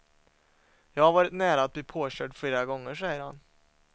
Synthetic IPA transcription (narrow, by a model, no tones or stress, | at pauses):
jɑːɡhaɾvɑːɾɪt̪næːɾaat̪̚bliːpʰoːɕøːʈfleːɾaɡɔŋːəʂæjəɾha̰n